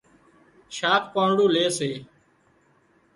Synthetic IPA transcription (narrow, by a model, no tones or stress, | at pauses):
ʃaːkʰpaːɳɽũːleːseː